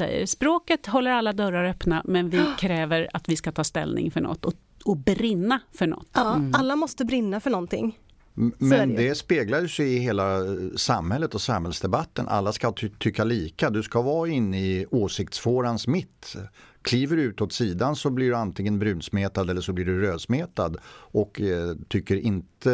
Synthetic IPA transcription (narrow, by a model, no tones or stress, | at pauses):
ɛ̰jːə̰ɾspɾoːkət̪ɦɔlːəɾalːad̪œɾːaɾœpnamɛnvɪkʰɾɛːvəɾa̰t̪vɪskat̪ʰɑːst̪ɛ̰lnɪ̰ŋfœɳɔ̰t̪ːɔ | ɔbɾɪnːafœɳɔ̰t̪ːalːamɔst̪əbɾɪnːafœɳɔnt̪ʰɪ̰ŋː | mɛd̪ɛspeːɡlajsɛjɪheːlasamhɛlːət̪ɔsamhɛlsd̪ɛbat̪ːənʔa̰lːaskat̪ʰʏkːaliːkad̪ɵskavɑːɪnːɪoːsɪkt̪sfoːɾansmɪt̪ːkʰliːvəɾʉ̟ːt̪ɔt̪siːd̪ansɔblɪɖɵant̪ʰɪŋːənbɾʉ̟ːnsmeːt̪ad̪ɛlːəʂɔblɪɖɵɾøːd̪smeːt̪ad̪ʔɔkt̪ʰʏkːəɾɪnt̪ə